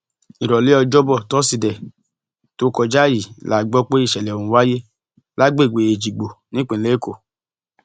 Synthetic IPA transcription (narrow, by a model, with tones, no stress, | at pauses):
i˨ɾɔ˨le˨˦ɔ˧d͡ʒɔ˦bɔ˦˨tɔ˦si˨dɛ˨ | to˨˦kɔ˧d͡ʒa˦˨ji˨la˨ɡ͡bɔ˦k͡pe˦i˦˨ʃɛ˨lɛ˨o˨ũ˨˧˦wa˦je˦ | la˦ɡ͡be˦˨ɡ͡be˨e˨d͡ʒi˨ɡ͡bo˨nĩ˦k͡pẽ˨˦le˦ko˨